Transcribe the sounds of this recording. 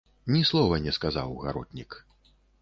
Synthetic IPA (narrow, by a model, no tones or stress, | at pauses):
nʲislˠɔvɐnʲɛskaza̰wɣa̰ɾɔt̪ʲnʲik